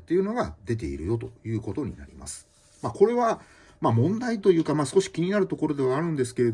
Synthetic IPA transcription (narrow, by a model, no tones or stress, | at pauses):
t̪ːe̞iɯ̟no̞ɡad̪e̞t̪̬e̞̰ḭɾɯ̟jo̞t̪ojɯ̟ːko̞t̪o̞ɲ̟ina̰ɾʲḭma̰sɨ̥ | mako̞ɾe̞βa | mamõ̞nd̪ait̪o̞jɯ̟ːkamaːsɨ̥ko̞ɕi̥kʲiɲ̟inaɾɯ̟t̪o̞ko̞ɾo̞d̪e̞βaːɾɯ̟̃nd̪e̞sɨ̥ke̞ɾe̞